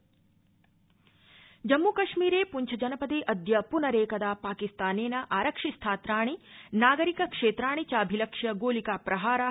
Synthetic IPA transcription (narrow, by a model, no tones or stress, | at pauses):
d͡ʒɐmːuːkɐʂmiːɾeːpuɲt͡ʃʰɐd͡ʒɐnɐpɐd̪eːʔɐd̪jɐpunɐɾeːkɐd̪aːpaːkist̪aːneːnɐʔaːɾɐkʂist̪ʰaːt̪ɾaːɳ̃inaːɡɐɾikɐkʂeːt̪ɾaːɳ̃it͡ʃaːbʱilɐkʂjɐɡoːlikaːpɾɐɦaːɾa